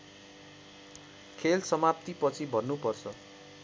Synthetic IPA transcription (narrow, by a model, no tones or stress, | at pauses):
kʰelsʌmapt̪ipʌt͡sʰibʱʌnːupʌrt͡sʰʌ